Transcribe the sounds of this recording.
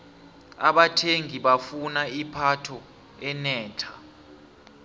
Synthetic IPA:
aɓatʰeŋʱiɓafunaipʰatʰɔ | ɛnɛːtʰa

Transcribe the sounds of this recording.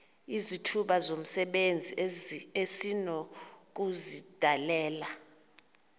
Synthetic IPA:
izitʰuɓazom̩sɛɓend͡zʱiesinɔ | k̬uzid̥ʱalɛːla

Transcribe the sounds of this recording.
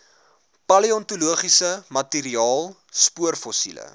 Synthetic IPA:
pɐliɔntuluəχisəmɐtiɾiɑːlˠ | spuərfɔsilə̰

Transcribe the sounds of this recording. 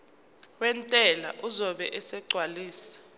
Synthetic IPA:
wɛntʼɛla̰ʔuzɔɓɛʔɛsɛɡ͡ǀʱwaliːsḁ

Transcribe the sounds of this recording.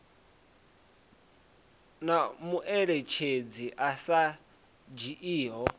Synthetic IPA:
namuʔɛɺet͡ʃʰed͡ziʔasa | d͡ʒiʔiːɦɔ

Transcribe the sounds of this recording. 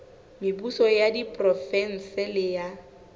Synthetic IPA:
mɪbusɔjadipʼrɔfɛn̩sɪlɪja

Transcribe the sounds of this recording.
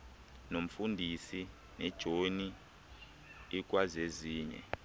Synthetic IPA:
nom̩fundʱisi | nɛd̥ʒ̥ʱoni | ik̬ʼwazeziːɲɛ̰

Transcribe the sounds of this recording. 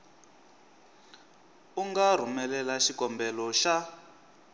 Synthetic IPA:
uŋɡar̤umɛlɛlaʃikɔmbɛlɔʃa

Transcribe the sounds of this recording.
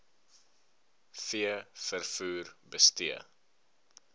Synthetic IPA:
fiəfərfuːrbəstiə

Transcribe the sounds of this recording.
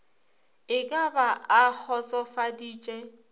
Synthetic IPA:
ɪkʼabaak͡xʰɔt͡sʼɔfadiːt͡ʃʼɛ

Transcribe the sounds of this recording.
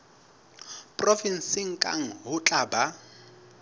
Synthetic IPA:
pʼrɔfin̩sɪŋ̩kʼa̰ŋ̩ɦʊt͡ɬʼaːba

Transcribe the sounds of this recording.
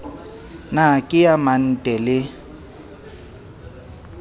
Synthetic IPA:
nakʼɪjaman̩tʼɛlɪ

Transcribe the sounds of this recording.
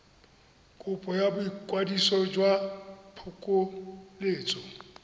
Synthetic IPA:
kʼʊpʼɔjabʊikʼwadisɔd͡ʒwapʰʊkʼʊleːt͡sʼɔ

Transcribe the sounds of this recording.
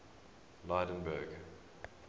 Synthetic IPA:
laːdə̃nbəɡ

